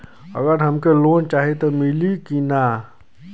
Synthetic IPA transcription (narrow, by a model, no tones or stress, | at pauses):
ə̰ɡəɾɦəmkeloːnt͡ʃaːɦet̪omilikina